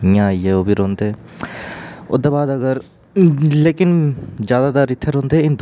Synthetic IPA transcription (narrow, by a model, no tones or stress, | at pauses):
ɦjãieoːbʱiɾõːnd̪eɛ | ʊ̰d̪əɾbaːd̪ɐɡəɾ | leːkɪnzjaːd̪at̪aɾɪt̪ʰːeɾõːnd̪eeɪnd̪